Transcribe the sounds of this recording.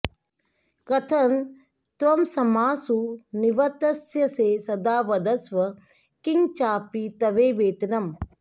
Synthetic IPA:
kɐt̪ʰɐn | t̪ʋɐmsɐmaːsuniʋɐt̪ɐsjɐseːsɐd̪aːʋɐd̪ɐsʋɐ | kiŋt͡ʃaːpit̪ɐʋeːʋeːt̪inɐm

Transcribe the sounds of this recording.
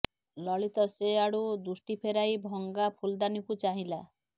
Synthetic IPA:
lɔɭit̪ɔseaɽud̪usʈipʰeɾajbʱɔŋɡapʰuld̪anikut͡ʃaɦĩla

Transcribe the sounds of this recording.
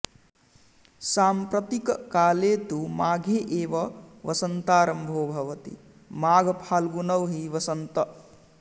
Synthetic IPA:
saːmpɾɐt̪ikkaːlet̪umaːɡʱeʔeːʋɐʋɐsɐnt̪aːɾɐmbʱobʱɐʋɐt̪ḭ | maːɡʱpʰaːlɡunʌwɦiʋɐsɐnt̪ɐ

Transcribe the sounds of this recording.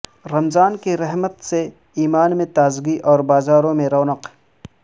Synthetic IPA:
ɾɐmzaːnkiɾɛɦmət̪se | iːmaːnmẽt̪aːzɡiʔɔːɾbaːzaːɾõmẽɾɐːnɐq

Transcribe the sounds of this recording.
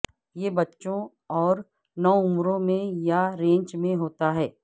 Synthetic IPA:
jeːbɐtːʃõ | ɔːɾ | nɔʊmɾõmẽjaɾẽːɲt͡ʃmẽɦoːt̪aɦɛː

